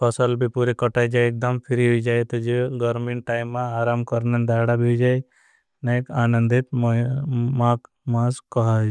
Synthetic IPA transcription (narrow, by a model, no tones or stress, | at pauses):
pʰɔsəlbipuɾekɔʈajd͡ʒajek̚d̪əmpʰiɾiɦojd͡ʒajt̪ɔd͡ʒeɡɔɾmiɳʈʈajmːãaːɾamkɔɾnənd̪ajɽabid͡ʒaj | najkaːnənd̪it̪m | mak | mãskɔɦad͡ʒ